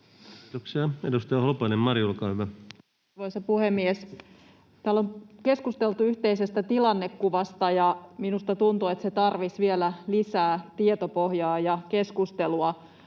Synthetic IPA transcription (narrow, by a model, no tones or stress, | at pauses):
t̪oksiɑedust̪ɑjɑhlupɑinemːmɑrjulkɑːhyʋæ | ʋoisɑpuhemːies | t̪æːlːomke̞skust̪elt̪uyht̪eisest̪æt̪ilɑnːekːuʋɑst̪ɑjɑminust̪ɑt̪unt̪uet̪set̪ɑrʋisʋielælisæːt̪iet̪opohjɑːjɑke̞skust̪eluɑ